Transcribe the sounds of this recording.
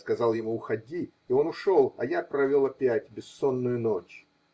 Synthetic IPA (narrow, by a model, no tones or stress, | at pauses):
skɐzɑlˠjɪmuːxɐdʲiː | o̞nʊʂolˠɐ̰japɾɐvʲolˠɐpʲætʲbʲɪsːo̞nːʊjʊno̞t͡ɕ